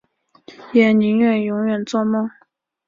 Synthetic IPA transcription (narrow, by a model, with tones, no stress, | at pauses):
jɛ˨˩nni˧˥ŋɥɛ˨˩njʊ˧˥ŋɥɛ˨˩nt͡swɔ˥˧mɔ˥˨ŋ